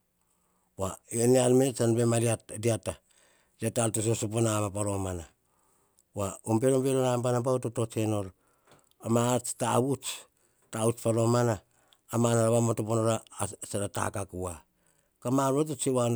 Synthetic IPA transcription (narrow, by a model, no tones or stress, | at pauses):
waenealmet͡ʃanbemaɾiatdiata | diataltos̬osoponamapaɾo̞mana | waombeɾombeɾonambanabautotot͡ʃenol | amat͡ʃtaut͡ʃ | taut͡ʃpaɾo̞manaː | manaɾaβamotoponoɾasaɾata̰kakua | kamaɾot̬ot͡ʃiwan